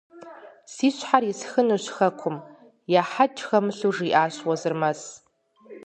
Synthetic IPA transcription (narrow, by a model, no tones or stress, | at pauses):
siɕʷħarisxɨnuɕʷxɐkʷʰʊm | jaħad͡ʒxɐmɨɬuʐiʔaːʃwazɨrmas